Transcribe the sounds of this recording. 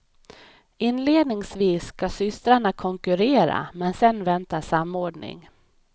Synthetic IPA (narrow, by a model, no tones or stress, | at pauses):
ɪnːleːd̪nɪŋsviːsːkasʏst̪ɾaɳakʰɔŋkɵɾeːɾa̰mɛnsɛnvɛnt̪aʂamːoːɖɳɪ̰ŋ